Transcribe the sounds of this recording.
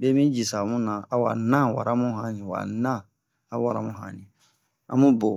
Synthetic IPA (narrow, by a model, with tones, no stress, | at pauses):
bɛ˦mĩ˦d͡ʒi˨sa˨mũ˦nã˨a˨wa˨nã˦wa̰˨ɾa˦mũ˦ɦã˨nĩ˨wa̰˨nã˦ | a˨˦wa˨ɾa˦mũ˦ɦã̰˨nĩ˨ | ã̰˦mũ˦bo˨